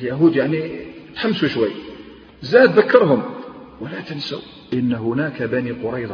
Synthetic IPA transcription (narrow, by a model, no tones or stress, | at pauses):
ljæɦud̪jaʕnit̪ħamːsuʃwəjː | zæd̪ðəkːɑɾˤɦʊmwəlæt̪ənsa̰w | ʔənːɦʊnækabæniqʊɾˤɑjd̪ˤ